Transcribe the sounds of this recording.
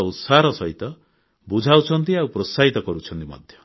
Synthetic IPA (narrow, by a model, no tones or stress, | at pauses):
usaɾɔsɔɦit̪ɔ | bud͡ʒʱawt͡ʃʰɔnt̪iawpɾɔsaɦit̪ɔkɔɾut͡ʃʰɔnt̪imɔ̰d̪ʱjɔ